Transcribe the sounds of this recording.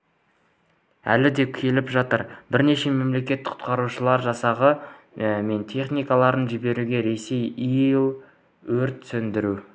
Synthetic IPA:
æ̰lɪd̪e̞kʲʰe̞lɪpʒɑt̪əɾbɪɾne̞ʃe̞me̞mle̞kʲe̞t̪ːɪ̥qʰʊ̥t̪qɑɾuʃəlˠɑɾʒɑsɑʁə | me̞nt̪ʰe̞χnijkɑlˠɑɾənʒɪbe̞ɾuɡʲe̞ɾe̞se̞jijlˠ | wɵɾt̪sɵnd̪ɪɾu

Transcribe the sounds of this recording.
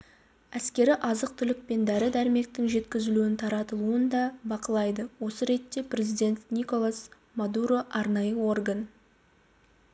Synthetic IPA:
æskʲe̞ɾɪʔɑzəq̚t̪ʰʏlɪk̚pe̞nd̪æɾɪd̪æɾɪme̞k̚t̪ɪŋʒe̞t̪kʲɪzɪluɪnt̪ʰɑɾɑt̪əlˠuənd̪ɑbɑqəlˠɑjd̪əwo̞səɾe̞t̪ːe̞pre̞zijd̪ʲe̞nt̪nʲiko̞lˠas | mad̪uɾo̞ʔɑɾnɑjəwo̞rɡan

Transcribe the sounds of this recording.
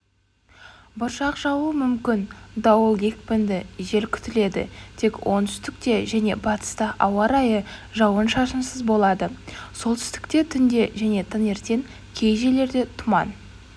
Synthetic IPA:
bʊɾʃɑqʒɑwəmʏmkʲɪnd̪ɑwəlˠe̞kʲpɪnd̪ɪʒe̞ɾkʲʰʏ̥t̪ɪle̞d̪ɪ̰t̪ʰe̞kwʔo̞̰nt̪ʰʏ̥st̪ɪk̚t̪e̞ʒæne̞bɑt̪ə̥st̪ɑʔɑwɑɾɑjəʒɑwənʃɑʃənsəzbo̞lˠɑd̪əso̞lˠt̪ʰʏ̥st̪ɪ̥kt̪e̞t̪ʰʏnd̪e̞ʒæne̞t̪ʰəne̞ɾt̪e̞ŋ | kʲʰe̞jʒe̞le̞ɾd̪e̞t̪ʰʊmɑ̰n

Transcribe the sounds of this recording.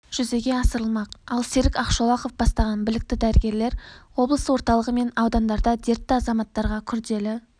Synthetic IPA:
ʒ̥ʏze̞ɡʲe̞ɑsəɾəlˠmɑqɑlˠseɾɪkʲɑqʃolˠɑqo̞fbɑst̪ɑʁɑnbɪlɪk̚t̪ɪd̪æɾɪɡʲe̞ɾle̞ɾwo̞blˠəsəwo̞ɾt̪ɑlˠəʁəme̞nɑwd̪ɑnd̪ɑɾd̪ɑd̪e̞ɾt̪ːɪɑzɑmɑt̪ːɑɾʁɑkʲʰʏɾd̪e̞lɪ

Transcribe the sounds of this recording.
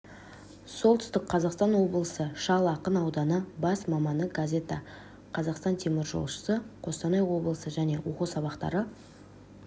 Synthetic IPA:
solˠt̪ʏ̥st̪ɪkqʰːɑzɑqst̪ɑnwo̞blˠəsəʃɑlˠɑqənɑwd̪ɑnəbɑsmɑmɑnəɡazʲe̞t̪a | qʰɑzɑqst̪ɑnt̪ʰe̞mɪɾʒo̞̰lˠʃə̥səqʰo̞st̪ɑnɑjwo̞blˠəsəʒæne̞wo̞qusɑβɑqt̪ɑ̰ɾə

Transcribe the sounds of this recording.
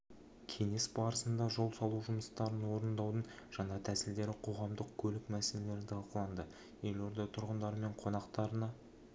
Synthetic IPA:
kʲʰe̞ŋe̞sbɑɾəsənd̪ɑʒo̞lˠsɑlˠuwʒʊməst̪ɑɾənwo̞ɾənd̪ɑwd̪ənʒ̥ɑnɑt̪ʰæsɪld̪e̞ɾɪqʰo̞ʁɑmd̪əq̚kʲʰɵlɪkmæsele̞le̞ɾɪt̪ɪɑlˠqəlˠɑnd̪ə | je̞lo̞ɾd̪ɑt̪ʰʊɾʁənd̪ɑɾəme̞ɴqʰo̞nɑqt̪ɑɾənɑ

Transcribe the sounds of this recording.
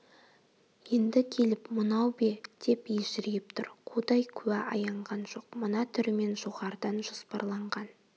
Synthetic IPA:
je̞nd̪ɪkʲʰe̞lɪpmʊnɑwbed̪̥e̞peʒɪɾejɪpt̪ʰʊɾqʰod̪ɑjkʲʰʉæʔɑjɑɴʁɑnʒo̞q̚mənɑt̪ʰʏɾɪme̞nʒoʁɑɾd̪ɑnʒospɑ̰ɾlˠɑɴʁɑn

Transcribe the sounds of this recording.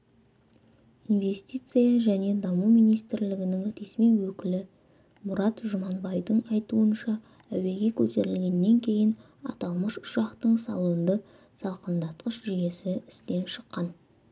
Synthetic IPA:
inve̞st̪ijt̪sɨjɑʒæne̞d̪ɑmumijnijst̪ɪɾlɪɡʲɪnɪŋɾe̞smijwɵkʲɪlɪ | mʊɾɑt̪ʒʊmɑnbɑjvd̪əɴɑjt̪uənʃɑ | æwe̞ɡʲe̞kʲʰɵt̪e̞ɾɪlɡʲe̞nːe̞ŋkʲʰe̞jɪn | ɑ̰t̪ɑlˠməʃʊ̥ʃɑqt̪əɴsɑ̰lˠuənd̪ə | sɑlˠqənd̪ɑt̪qəʃʒyje̞sɪɪst̪e̞nʃə̥qːɑn

